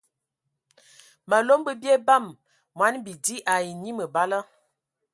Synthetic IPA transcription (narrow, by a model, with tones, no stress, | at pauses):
ma˨lo˦mbə˦bje˦ba˦˨m | mwa˨˦nbi˨di˦ʔa˨ji˨ni˦mə˨ba˦lə˦